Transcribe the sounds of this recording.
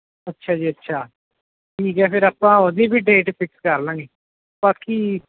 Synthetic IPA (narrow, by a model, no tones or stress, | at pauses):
ətːʃʰaːd͡ʒiːətːʃʰaː | ʈʰiːkɛːpʰɪɾaːpãːod̪iːbʱiːɖeːʈpʰɪkskəɾlãːŋɡiː | baːkiː